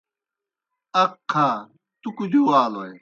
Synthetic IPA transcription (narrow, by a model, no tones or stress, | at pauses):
ɐqʰːa | t̪ukud͡ʑuaːloe